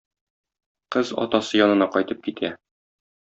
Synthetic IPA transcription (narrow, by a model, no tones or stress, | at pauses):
qɤzɒ̰t̪ɑsɤjɒnɤ̆nɑqɒjt̪ɤp̚kit̪ʰæ